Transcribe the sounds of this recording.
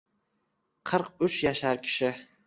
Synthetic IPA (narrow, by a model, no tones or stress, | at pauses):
qʰɨɾqʊt͡ʃjaʃaɾkʲʰɪ̥ʃɪ